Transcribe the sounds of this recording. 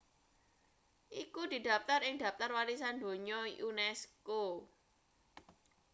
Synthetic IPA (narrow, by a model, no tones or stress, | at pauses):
ʔikud̪̥i̤d̪ä̤pt̪arɪŋd̪̥a̤p̚t̪arwalis̬and̪o̤ɲɔjunɛsko